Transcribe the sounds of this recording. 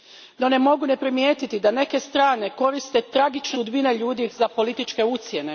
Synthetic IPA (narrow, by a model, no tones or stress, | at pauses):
no̞ne̞mo̞ɡune̞pɾimjeːt̪it̪id̪ane̞ke̞st̪ɾaːne̞ko̞ɾist̪e̞t̪ɾaɡit͡ʃnud̪bine̞ʎuːd̪ixzapo̞lit̪it͡ʃke̞ut̪sje̞ne̞